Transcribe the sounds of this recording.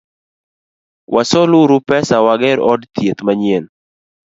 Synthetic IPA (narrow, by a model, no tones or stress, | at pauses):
wʔasɔluɾupɛsawaɡɛɾɔdt̪jet̪maɲien